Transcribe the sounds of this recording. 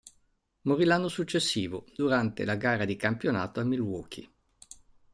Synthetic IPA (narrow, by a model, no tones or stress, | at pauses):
moɾilanːosut͡ʃːesːiːvod̪uɾant̪ḛlaɡaːɾad̪ikampjona̰ːt̪oamːilwɔːkʰḭ